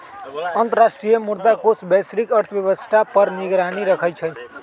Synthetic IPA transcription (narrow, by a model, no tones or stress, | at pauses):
ʌnt̪əɾasʈɾijʌmuɾd̪akosbʌjsɾikʌɾt̪ʰbjeβʌsʈ̪ʰapʌɾniɡɾaniɾʌkʰʌjt͡ʃʰʌj